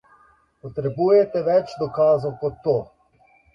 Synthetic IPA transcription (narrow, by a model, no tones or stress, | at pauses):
pɔt̪ɾɛbuːjɛt̪ɛʋɛt͡ʃd̪ɔkaːzowkɔt̪ːoː